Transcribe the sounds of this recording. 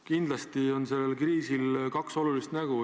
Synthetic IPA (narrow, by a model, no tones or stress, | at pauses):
kind̪lɑst̪io̞nse̞lːe̞lkriːsilkɑkso̞lulist̪næɡ̥u